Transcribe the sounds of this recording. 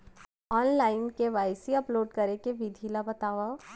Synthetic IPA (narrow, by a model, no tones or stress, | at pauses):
ɔːnlaːɪnkeʋaːɪsiɐploːɖkɐɾekeʋid̪ʱiːlabɐt̪aːʋa